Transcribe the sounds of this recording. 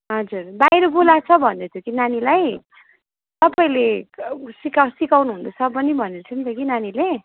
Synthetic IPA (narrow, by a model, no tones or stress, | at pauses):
ɦʌd͡zurbajɾʌbolat͡sʰʌbʱʌnet̪ʰjokinanilaj | t̪ʌpaĩlesikasikawnuɦund̪osʰʌbʌnibʱʌnet͡sʰʌnt̪ʰjokinanile